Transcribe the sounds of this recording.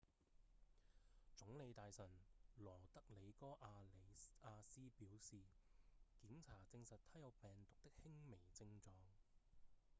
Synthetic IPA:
t͡sʊ˨˥ŋle˨˧jt̪aː˨jsɐ˨˩nlɔː˨˩t̪ɐ˥k̚le˨˧jkɔː˥ʔaː˧le˨˧aː˧siː˥piː˨˥wsiː˨kiː˨˥mt͡sʰaː˨˩t͡sɪ˧ŋsɐ˨t̚t̪ʰɐ˨˥jɐ˨˧wpɛː˨˩ŋt̪ʊ˨k̚t̪ɪ˥k̚hɪ˥ŋme˨˩jt͡sɪ˧ŋt͡sɔː˧ŋ

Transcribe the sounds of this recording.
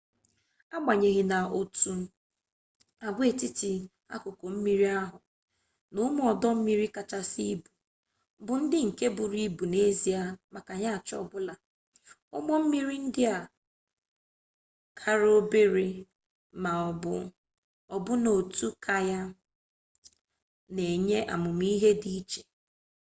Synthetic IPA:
a˦ɡ͡ba˨ɲe˨ɣɪ˨na˨o˨tu˦ | a˨ɡʷe˦˨ti˦ti˨ | a̰˦kʊ˨ko˨m̩˦mi˦ɾi˦a˦ɦʊ˨ | nʊ˦m˦ɔ˨dɔ˦m̩˦mi˦ɾi˦ka˨t͡ʃa˦si˦bu˨ | bʊ˨n̩˦dɪ˦ŋ̩˨ke˦bʊ˨ɾi˦bu˨ne˦zi˨a˨ma˨ka˨ɲa˦a˨t͡ʃɔ̰˦˨bʊ˦la˨ | ʊ̰˦mɔ˦m̩˦mi˦ɾi˦n̩˦dɪ˦a˨ | kʰa˦ɾo˦be˦ɾe˦ | ma˨ɔ˨bʊ˨ | ɔ˨bʊ˦no˨tu˦kʰa˨ja˦ | ne˨ɲe˦ʔa̰˨mʊ˨m˦i˦ɦe˦di˦i˦t͡ʃe̥˨

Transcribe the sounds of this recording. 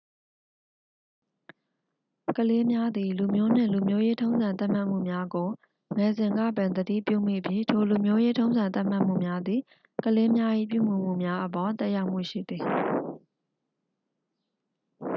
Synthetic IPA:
kəle˦mja˦d̪ði˨lu˨mjo˦n̥ɪ̰̃˦˨lu˨mjo˦je˦tʰõ˦ʊ̃nzã˨nt̪ã˦˨m̥a˦ʔm̥ṵ˦˨mja˦ɡo˨ | ŋɛ˨zɪ̃˨ŋɡä̰˦˨bã˨nd̪ədḭ˦˨pjṵ˦˨m̥ḭ˦˨ʔəpʰjɪ̰˦˨tʰo˨lu˨mjo˦je˦tʰõ˦ʊ̃zã˨nt̪ã˦ʔm̥a˦ʔm̥ṵ˦˨mja˦d̪ði˨ | kəle˦mja˦ʔḭ˦˨p̬jṵ˦˨m̥ṵ˦˨m̥ṵ˦˨mja˦ʔəpɔ˨t̪ɛ˦ʔja˦ʊʔm̥ṵ˦˨ʃḭ˦˨d̪ði˨

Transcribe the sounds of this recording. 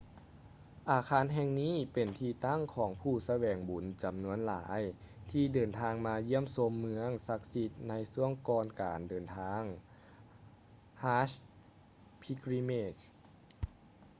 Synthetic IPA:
ʔaː˨kʰaː˧˥˨nɦɛ˧ŋniː˥˩pe˨˩nt̪ʰiː˧t̪a˥˩ŋkʰɔː˩˦ŋpʰuː˧˩sa˧wɛː˨˩ŋbu˨˩˦nt͡ɕa˨˩mnu˧˥ənla̰ː˨˦j | t̪ʰiː˧dɤː˨˩nt̪ʰaː˧ŋmaː˧ji˦˥˨əmso˧mːɯ˧˥əŋsa˧k̚si˧˥t̪̚na˧jsu˧˥˩əŋkɔː˧nkaː˨˩ndɤː˨˩nt̪ʰaː˧˥ŋ | haː˧˥ɕ | pʰi˧kɾi˧˥meː˧˩t͡ɕ

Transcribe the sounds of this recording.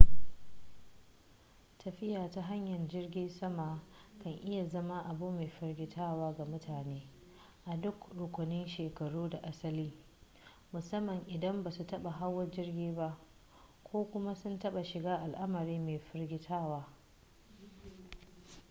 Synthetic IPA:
tʰɐ˨ɸɪ˦jaː˨ta˦ɦa˦ɲjɐ˨rd͡ʒɪ˦rɡʲɪ˦nsɐ˦ma˨ | kɐ˨ŋʔɪ˦ja˨zɐ˦ma˦ʔa˨bʊ˦mːeː˨ɸɪ˦rɡʲɪ˦tʰaː˦waː˦ɡa˨mʊ˦tʰaː˨neː˦ | ʔa˨dʊ˦kɽʊ˨kʷʊ˨nɪ˦nʃeː˨kɐ˨ɽuː˦da˨ʔa˦sɐ˦liː˦ | mʊ˨sɐ˦mːɐ˨ŋʔɪ˨dɐ˦mba˨su˨tɐ˦ɓa˨ɦa˦wːɐ˦d͡ʒɪ˦rɡʲiː˦ba˦ʔ | kʷoː˦kʷʊ˦ma˦sʊ˦ntɐ˦ɓa˨ʃɪ˨ɡaː˦ʔa˨lʔa˦mɐ˨ɾiː˦meː˨ɸɪ˦rɡʲɪ˦tʰaː˦waː˦

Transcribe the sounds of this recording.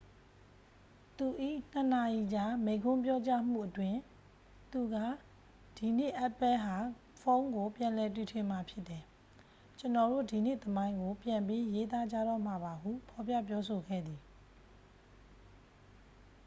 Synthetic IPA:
t̪u˨ʔḭ˦˨n̥ə˨na˨ji˨d͡ʑa˨mẽ˨ɪ̃ŋkʰʊ̃˦mp̬jɔ˦t͡ɕa˦m̥ṵ˦˨ʔətwɪ̃˦ | t̪u˨ɡä̰˦˨ | d̥i˨n̥ɪ̰˦˨ʔa˦pːɛ˦ɦa˨ | fʰõ˦ʊ̃ŋɡo˨pjã˨lɛ˨twi˨tʰwɪ̃˨ma˨pʰjɪ˦t̪ːɛ˨ | t͡ɕə˨nɔ˨ɾo̰˦˨di˨n̥ɪ̰˦˨t̪əmã˦ɪ̃ŋɡo˨pjã˨mpi˦je˦t̪a˦d͡ʑa̰˦˨ɾɔ̰˦˨m̥a˨ba˨ɦṵ˦˨pʰɔ˨pjä̰˦˨p̬jɔ˦so˨ɡɛ̰˦˨d̪i˨

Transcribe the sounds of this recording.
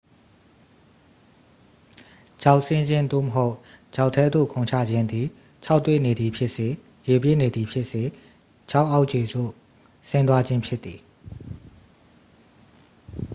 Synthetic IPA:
d͡ʑa˨ʊʔsɪ̃˦ɲd͡ʑɪ̃˦nd̪o̰˦˨məɦo˦ʊʔt͡ɕa˨ʊtʰːɛ˦d̪o̰˦˨kʰõ˨ʊ̃ɲt͡ɕʰä̰˦˨d͡ʑɪ̃˦nd̪i˨ | t͡ɕʰa˦ʊt̪ːwḛ˦˨ne˨d̪i˨pʰjɪ˦ʔse˨ | je˨bjḛ˦˨ne˨d̪ði˨pʰjɪ˦ʔse˨ | t͡ɕʰa˦ʊʔa˦ʊʔt͡ɕe˨zo̰˦˨ | sɪ̃˦nt̪wa˦d͡ʑɪ̃˦mpʰjɪ˦t̪ːi˨

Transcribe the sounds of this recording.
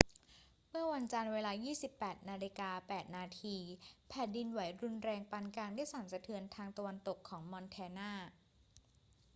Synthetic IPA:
mɯ˥˩ɐwa˧nt͡ɕa˧nweː˧laː˧jiː˥˩si˨˩pːɛː˨˩t̪̚naː˧li˧kaː˧pɛː˨˩t̪̚naː˧t̪ʰiː˧pʰɛː˨˩t̪̚di˧nwa˩˦jɾu˧nɾɛː˧ŋpa˧nkaː˧nda˥˩jsaː˩˦nsa˧t̪ʰɯ˧ənt̪ʰaː˧ŋt̪a˧wa˧nt̪o˨˩kʰːɔː˩˦ŋmɔ˧nt̪ʰɛː˧naː˥˩

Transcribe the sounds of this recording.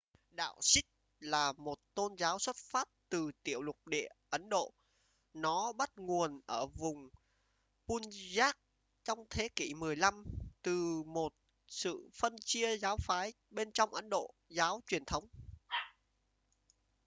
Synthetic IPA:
ɗa̰ː˧˨wsï˦˥k̚ | laː˨˩mo˨˩t̚t̪o˧nzaː˨˦wswə˦˥t̚faː˦˥p̚t̪ɨ˨˩t̪i˧˩əwlʊ˨˩k͡p̚ɗḭ˧˨əʔə˨˦nɗo̰˧˨ | nɔ˨˦ɓa˦˥t̚ŋu˨˩ənʔəː˧˩vʊ˨˩ŋ͡m | pu˧nzaː˦˥k̚ | t͡ɕɔ˧wŋ͡mt̪ʰe˨˦ki˧˩mɨ˨˩əjla˧mt̪ɨ˨˩mo˨˩t̚ | sɨ̰˧˨fə˧nt͡ɕi˧əzaː˨˦wfaː˨˦j | ɓe˧nt͡ɕɔ˧wŋ͡mʔə˨˦nɗo̰˧˨ | zaː˨˦wt͡ɕwi˨˩ənt̪ʰə˨˦wŋ͡m

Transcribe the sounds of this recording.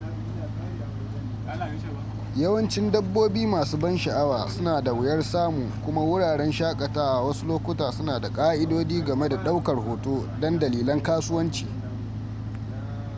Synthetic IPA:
jɐ˦wɐ˦nt͡ʃɪ˦ndɐ˦bːoː˦biː˦maː˨suː˦bɐ˦nʃɐ˨ʔa˦waː˨sʊ˦naː˨da˨wɪ˨jɐ˦rsaː˦muː˨kʷʊ˦ma˦wʊ˦ɽaː˨ɽɛ˦nʃaː˦kʼɐ˨taː˦ʔa˨wɐ˦su˦loː˦kʷʊ˦taː˨sʊ˦naː˨da˨kʼaː˦ʔɪ˦doː˦d͡ʒiː˦ɡɐ˨me˦da˨ɗa˦wkɐ˨rhoː˨toː˦ | dɔ˦ndɐ˨liː˨lɐ˦ŋkaː˦sʊ˦wɐ˦nt͡ʃi̥ː˨

